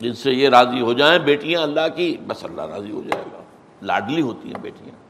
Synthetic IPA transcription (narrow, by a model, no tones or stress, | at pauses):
d͡ʒɪnsejeɾaːziɦod͡ʒaːẽbeːʈijãɐlːaɦkibɐsɐ̰lːa̰ɦɾa̰ːziɦo̰d͡ʒa̰ːḛːɡa̰ː | la̰ːɖliɦoːt̪ḭɦɛ̰̃bḛːʈijãː